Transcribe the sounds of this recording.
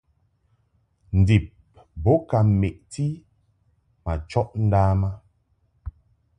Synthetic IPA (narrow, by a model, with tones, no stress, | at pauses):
n̩˨di˨p̚ | bo˨˦ka˨m˨me˨ʔti˦ | ma˨t͡ʃɔ˦ʔn̩˦daː˦ma˦